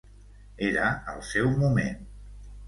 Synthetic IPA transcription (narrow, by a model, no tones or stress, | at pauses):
eɾəəlˠsɛwmumen